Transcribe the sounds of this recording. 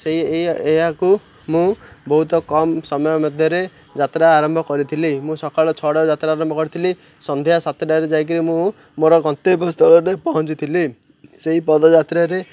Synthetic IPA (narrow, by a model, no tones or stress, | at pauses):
seɦieeɦaku | mũbɔɦut̪ɔkɔmsɔmɔjɔmɔd̪ʱjɔɾe | d͡ʒat̪ɾaːɾɔmbʱɔkɔɾit̪ʰilimũsɔkaɭɔt͡ʃʰɔɽawd͡ʒat̪ɾaːɾɔmbʱɔkɔɾit̪ʰili | sɔnd̪ʱeɦasat̪ɔɖajɾed͡ʒajk̬iɾimũ | moɾɔɡɔnt̪ebɔst̪ʰɔɭɔɾepɔɦɔnt͡ʃit̪ʰili | seɦipɔd̪ɔd͡ʒat̪ɾaɾe